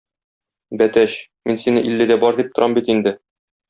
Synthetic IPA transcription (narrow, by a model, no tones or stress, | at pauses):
bæt̪æɕ | minsinɘʔilːɘd̪æbɒɾd̪ip̚t̪ŏɾʔɑmbit̪ind̪ɘ